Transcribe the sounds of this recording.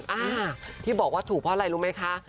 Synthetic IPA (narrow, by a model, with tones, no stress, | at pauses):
ʔaː˧˩t̪ʰiː˥˩bɔː˨˩kwaː˥˩t̪ʰuː˨˩k̚pʰɔː˦˥˩la˧jɾuː˦˥ma˦˥jkʰa˦˥